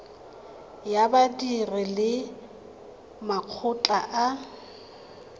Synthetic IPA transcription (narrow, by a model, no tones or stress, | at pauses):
jabadirɪlɪ | maq͡χʰʊt͡ɬʼaʔa